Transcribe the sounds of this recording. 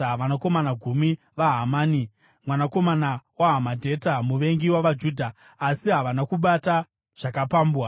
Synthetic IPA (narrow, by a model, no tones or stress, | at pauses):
ʋanako̞manaɡʱumi | ʋaɦamaːni | mwanako̞manawaɦamadʱe̞tamuʋe̞ŋɡiwaʋad͡ʒuːdʱaː | siɦaʋanakuɓata | ʐ̥akapaːmbwa